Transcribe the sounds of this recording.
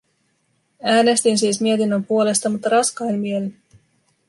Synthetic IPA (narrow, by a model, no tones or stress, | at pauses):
æːne̞st̪insiːsmie̞t̪inːømpuo̞le̞st̪ɑmut̪ːɑɾɑskɑinmielen